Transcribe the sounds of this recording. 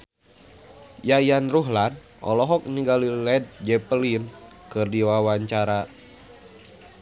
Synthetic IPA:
jajanruɦlan | ɔ̰lɔɦɔk̚ɲiɡalilɛd̪̚d͡ʒɛpəlin | kɨrdiwawaɲt͡ʃaɾa

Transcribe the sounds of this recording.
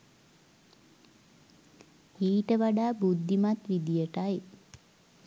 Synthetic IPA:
iːʈəʋaɖaːbud̪ʱːimat̪ʋid̪ijəʈaj

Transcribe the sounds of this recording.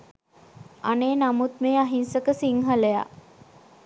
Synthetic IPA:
aneːnamut̪meːaɦinsəkəsiŋɦələja̰

